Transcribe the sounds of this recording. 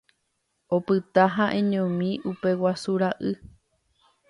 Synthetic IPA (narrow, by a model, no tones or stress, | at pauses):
o̞pɨt̪aɦãʔẽɲõmĩʔupe̞wasuɾaʔɨ